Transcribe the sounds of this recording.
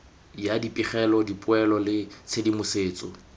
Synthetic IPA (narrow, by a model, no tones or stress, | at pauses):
jadipʼiχɛlɔdipʼʊɛlɔlɪt͡sʰedimʊseːt͡sʼɔ̰